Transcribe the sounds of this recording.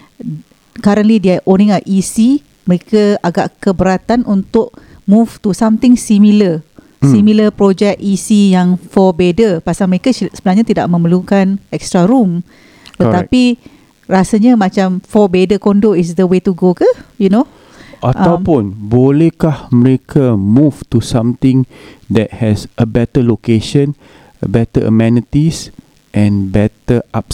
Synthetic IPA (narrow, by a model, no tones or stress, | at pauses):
kaɾə̃nlidiaʔonĩŋaʔʔisi | məɾekəaɡa̰ʔkəbəɾat̪anunt̪ʊʔ | muft̪usamt̪ɪŋsimilə | similəpɾod͡ʒɛkisijaŋfɔbedəpasaməɾekəsəbənaɦɲat̪ida̰ʔmə̃məlukanɛkst̪ɾaɾum | t̪ət̪api | rasaɲamãt͡ʃamfɔbedəkondoʔis̬d̪əwet̪uɡokəjuno | ʔaʔtawpũnbolɛhkahməɾekʰamuftusãmt̪ɪ̃ŋd̪ɛt̚hɛsəbɛtəlokeʃə̃n | əbɛt̪əʔə̰mɛnit̪is | ʔɛ̃nbɛt̪əʔap̚